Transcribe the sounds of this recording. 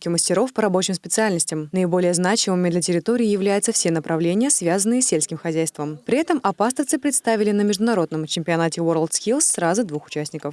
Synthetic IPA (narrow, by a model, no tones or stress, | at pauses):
kʲɪməsʲtʲɪɾo̞fpəɾɐbo̞t͡ɕɪmspʲɪt̪sɨalʲnəsʲtʲɪmnəɪbo̞lʲɪjəznat͡ɕɪmɨmʲɪd̪lʲətʲɪɾʲɪt̪oɾʲɪːjɪvlʲæjʊt̪səfsʲenəpɾʔɐvlʲenʲɪjəsvʲazənːɨjəsʲːelʲsʲkʲɪmxɐzʲæjst̪vəmpɾʲɪɛt̪əmʔɐpast̪əfsɨpɾʲɪt̪st̪avʲɪlʲɪnəmʲɪʐd̪ʊnɐɾo̞d̪nəmt͡ɕɪmʲpʲɪɐnatʲɪvoɾəlˠt̪skʲilˠsːrazɨd̪vuxʊ̥t͡ɕæsʲnʲɪkəf